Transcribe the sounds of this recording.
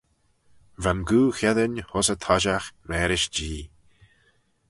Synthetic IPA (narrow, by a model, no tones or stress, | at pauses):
vanɡuːxɛðənʲhɔsət̪ʰɔʒaxɾɛːɾɪʃd͡ʒiː